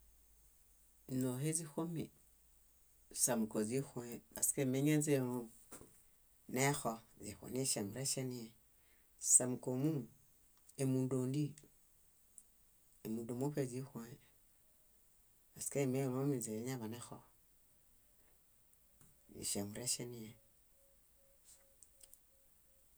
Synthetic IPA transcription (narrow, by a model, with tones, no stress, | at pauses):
no˨ɦe˦zi˦xo˦mḭ˨ | sa˨mu˨ko˨zi˦xo˦e˨a̰˨ske˦˨me˦ɲe˦ze˦˨o˦ | ne˦xɔ˦zi˨xo̰˨ni˦ʃe˨mu˨ɾe˦ʃe˦ni˦e˨ | sa˨mu˨ko˨mu˦ | e˨mu˨ndo˨ndi˦ | e˨mu˨do˨mo˦pe˦˨zi˦xo˨˦ | a˨ska˦˨me˦˨mo˦mi˨ze˨˦ɲa˦βa˨ne˦xɔ˨ | ḭ˨ʃe˨mu˨ɾe˦ʃe˦ni˦e˨